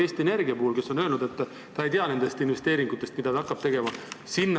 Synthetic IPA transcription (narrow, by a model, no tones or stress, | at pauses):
eːst̪iene̞rɡiɑpohːulke̞so̞nølnud̪e̞t̪ːˑ | t̪ɑejt̪eɑne̞nd̪e̞st̪inve̞st̪eːɾiŋɡ̥ut̪ːˑe̞st̪̚mid̪̥ɑt̪ɑɑkːˑɑb̥̚t̪e̞ɡe̞mɑsinː